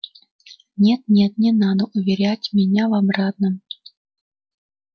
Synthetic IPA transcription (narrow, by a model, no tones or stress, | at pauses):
nʲet̪nʲet̪̚nʲɛnɑd̪əʔʊvʲɪɾʲætʲmʲɪnʲavamrɑt̪nəm